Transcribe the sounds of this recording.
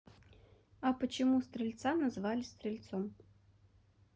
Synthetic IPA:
ɐpət͡ɕɪmust̪ɾʲɪlʲt̪sanɐzvalʲɪst̪ɾʲɪlʲt̪sɔm

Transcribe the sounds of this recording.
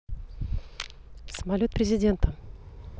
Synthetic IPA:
səmɐlʲo̞t̪̚pɾʲɪzʲɪdʲe̞nt̪ə

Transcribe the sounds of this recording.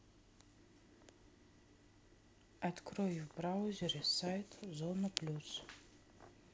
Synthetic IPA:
atkʰroivbrawzerisajtʰzonapʰlʲus

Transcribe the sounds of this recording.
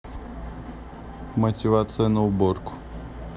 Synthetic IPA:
mətʲɪvat̪sɨjənəʊborkʊ̥

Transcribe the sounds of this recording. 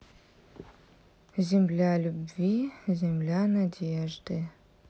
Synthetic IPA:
zʲemlʲalʲubvizʲemlʲanadʲeʐd̪ɨ

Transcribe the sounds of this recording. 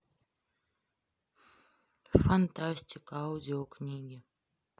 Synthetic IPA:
fɐnt̪asʲtʲɪkawd̪ʲioknʲiːɡʲɪ

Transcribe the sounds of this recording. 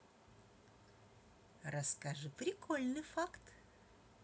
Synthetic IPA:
rɐskaʐɨpɾʲɪkʰolʲnɨfakt̪

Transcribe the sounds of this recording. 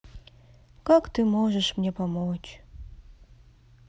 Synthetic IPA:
kɑkt̪ɨmoʒəʃmnʲepamot͡ɕ

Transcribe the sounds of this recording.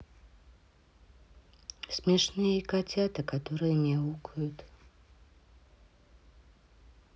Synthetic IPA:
sʲmʲɛʂnɨjəikat͡sʲat̪ɨkat̪ɔɾɨjəmʲɛukʊjʊt̪

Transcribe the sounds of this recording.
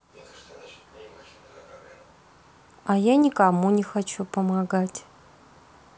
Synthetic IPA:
ajanʲɪkamunʲɪxat͡ʃupəmaɡatʲ

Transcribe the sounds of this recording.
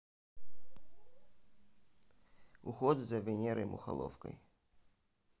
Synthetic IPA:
uxɔd̪zɐvʲɪnʲɛɾɐjmʔʊ̰xa̰lˠɔ̰fkɐ̰j

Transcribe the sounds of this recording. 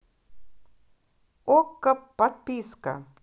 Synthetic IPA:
okːɐpːɐɾpiːska̰

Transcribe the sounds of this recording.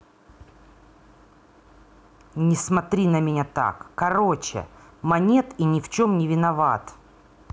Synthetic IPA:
nʲɪsmɐt̪ɾʲinəmʲɪnʲat̪a̰kːɐɾot͡ɕɪ̰mɐnʲe̞t̪inʲɪft͡ɕomnʲɪvʲɪnɐvat̪

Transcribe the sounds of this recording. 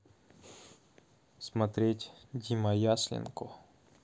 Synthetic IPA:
smɐt̪ɾʲetʲdʲimɐjasʲlʲɪ̰nkʊ

